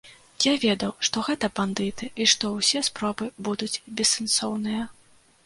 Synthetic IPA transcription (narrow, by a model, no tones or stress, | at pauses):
javʲɛd̪ɐwʂt̪ɔɣɛt̪ɐband̪ɨt̪ɨʔiʂt̪ɔwsʲɛspɾɔbɨbud̪ut͡sʲbʲɛsansɔwnɨjɐ